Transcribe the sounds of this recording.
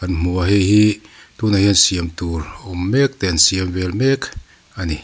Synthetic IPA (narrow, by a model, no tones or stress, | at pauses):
kanmuaɦehitunahinsiemtulomːek̚tensiembelmek | ani